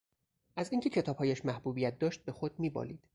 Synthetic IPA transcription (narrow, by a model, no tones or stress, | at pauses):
ʔæziŋcʰe̞cʰe̞t̪ʰɒːb̥hɒːjæʃmæhbuːbijæt̪̚d̪ɒːʃt̪̚be̞xod̪̚miːbɒ̰liːd̪̥